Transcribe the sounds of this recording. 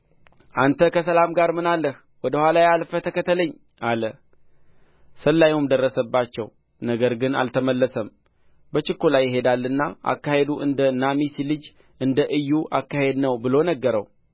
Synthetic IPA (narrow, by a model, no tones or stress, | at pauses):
ʔant̪ʰəkʰəsəlamɡaɾmɨnalːəh | wɔd̪əhʷalajalfət̪ʰəkət̪ːələɲː | alə | səlːajumd̪ərːəsəbːat͡ʃːɛw | nəɡəɾɡɨna̰lt̪ʰəməlːəsəm | bət͡ʃɪkːulajːɪɦe̞d̪alːɨnːaʔa̰kːahe̞d̪uʔɨnd̪ənamisilɨd͡ʒ | ʔɨnd̪əʔɨjːuʔakːahe̞d̪nəwbɨlo̞nəɡːəɾə̰w